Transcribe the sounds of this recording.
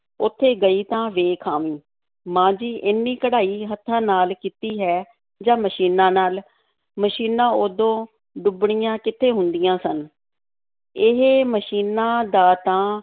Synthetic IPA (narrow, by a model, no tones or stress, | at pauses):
ʊt̪ʰːeːɡəiːt̪ãːʋeːkʰaːʋĩː | mãːd͡ʒiːʔɪnːĩːkəɽaːiːɦət̪ʰːãːnaːlkiːt̪iːɦɛː | d͡ʒãːməʃiːnãːnaːl | məʃiːnãːoːd̪õː | ɖʊbɳijãːkɪt̪ʰːeːɦʊnd̪ɪjãːsən | ɪɦeːməʃiːnãːd̪aːt̪ãː